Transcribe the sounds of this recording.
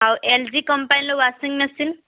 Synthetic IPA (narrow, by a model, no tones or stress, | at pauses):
ɦawʔeld͡ʒikʌmpajnlowasiŋmesin